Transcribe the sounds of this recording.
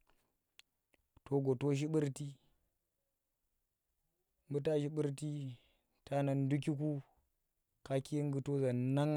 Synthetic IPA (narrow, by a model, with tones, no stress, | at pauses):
to˨ɡo˨to˦ʃ̬i˦ɓɨ˦ɾti˦ | m˦bu˦ta˦ʃi˦ɓi˦ɾti˦ | tʰa˦na˨n˦du˦k̬i˦k̬u˦ | ka˦ki˦ŋ˦ɡu˦to˦za˨na˦ŋ˨